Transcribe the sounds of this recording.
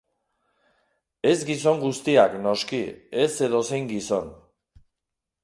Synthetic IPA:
e̞zɡis̬o̞ŋɡust̪iakno̞skie̞se̞ðo̞se̞jŋɡiso̞n

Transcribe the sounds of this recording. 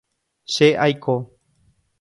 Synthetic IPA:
ʃeʔajkʰo

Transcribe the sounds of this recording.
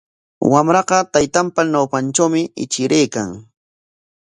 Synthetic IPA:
wamɾɑqɑt̪ajt̪ampanawpant͡ʃawmɪɪt͡ʃɪɾʔejkaŋ

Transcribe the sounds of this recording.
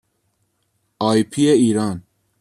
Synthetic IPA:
ɑːjpʰieiːɾɑːn

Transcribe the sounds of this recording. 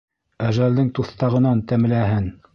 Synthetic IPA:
æʒæld̪ɘŋt̪uθt̪ɑʁɤ̆nɑnt̪æm̆læɦɘn

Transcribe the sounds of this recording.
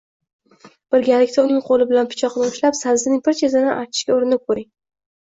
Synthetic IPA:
b̥ɪɾɡʲalɪkʲt̪aʊnɪŋqʰolɪbɪlanpʰɪ̥t͡ʃʰɒqnɪʊʃlapsanzɪnɪŋʲpʰɪɾt͡ʃʰezɪnɪʔat͡ʃʰɪ̥ʃkʲaoɾɪnɪp̚kʰɵɾɪŋ

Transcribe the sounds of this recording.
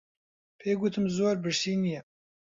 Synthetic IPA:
pʰeːɡut̪ʰɨmzoːɾbɨɾsiːnijɛ

